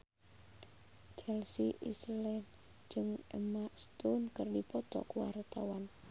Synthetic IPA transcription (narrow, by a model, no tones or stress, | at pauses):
t͡ʃɛlsiʔḭslɛn | d͡ʒɨŋəmaʔst̪unkərdipɔt̪ɔ̰kuwa̰rt̪a̰wan